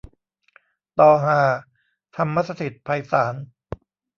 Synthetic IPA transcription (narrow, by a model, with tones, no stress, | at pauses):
t̪ɔː˧˩ɦaː˧˩ | t̪ʰa˧mːa˦˥t̪sa˧t̪ʰi˨˩t̪̚pʰa˧jsaː˩˦n